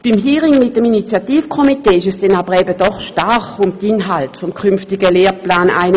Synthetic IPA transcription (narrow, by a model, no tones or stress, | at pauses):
b̥imɦiːʁɪŋmɪt̚əminit͡sjatiːfkʰɔmiteːɪʃɛsd̥ɛnabəʁɛːbəd̥ɔχʃtarχʊmtinɦaltfɔmkʰynftɪɡəleːɐplaːna̰ɪn